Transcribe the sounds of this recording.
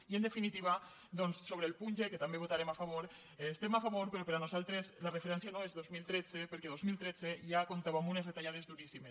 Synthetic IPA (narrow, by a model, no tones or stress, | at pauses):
iənd̪efinit̪iβ̞a | d̪ɔnsːoβ̞ɾeːlˠpunʲʒeket̪ambeβot̪aɾemafaβ̞oɾ | st̪emafaβoɾpeɾopeɾanuzalˠt̪ɾezlarefeɾɛnsjanoezðozmilˠt̪ɾɛd͡zepeɾkeðozmilˠt̪ɾɛd͡zeʒakont̪aβamunezðet̪aʎað̞ezðuɾisimes